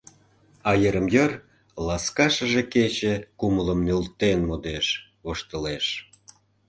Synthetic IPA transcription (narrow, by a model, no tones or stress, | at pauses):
ɑjəɾəmjər | lɑskɑʃə̆ʒeket͡ɕekumələmnølt̪enmod̪eʃ | voʃt̪əleʃ